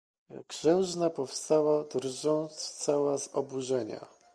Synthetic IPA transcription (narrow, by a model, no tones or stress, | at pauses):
kʂɛ̃w̃ʐnapɔfst̪awad̪ɾʐɔ̃nst̪sawazɔ̰buʐɛɲa̰